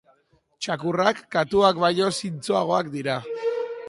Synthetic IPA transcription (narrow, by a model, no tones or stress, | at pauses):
t͡ʃakurakːat̪uakβaʎo̞sint͡soaɣ̞o̞akd̪iɾa